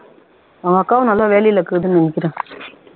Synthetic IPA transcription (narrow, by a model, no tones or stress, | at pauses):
ɐʋɐkːaːʋɐ̃nɐlːaːʋeːlɛjɪlɐkːɯɯðɯnnɐnɪkʲːɪɾẽː